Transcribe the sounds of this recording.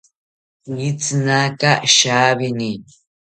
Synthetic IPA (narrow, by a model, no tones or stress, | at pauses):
it͡snakaʃaːβɪni